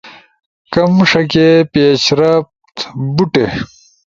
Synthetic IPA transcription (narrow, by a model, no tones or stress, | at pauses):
kɐmʂɐkepeːɕɾɐf | t̪buʈe